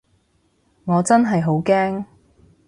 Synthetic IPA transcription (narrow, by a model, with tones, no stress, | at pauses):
ŋɔː˨˧t͡sɐ˥nɦɐ˨jɦo˨˥wkɛː˥ŋ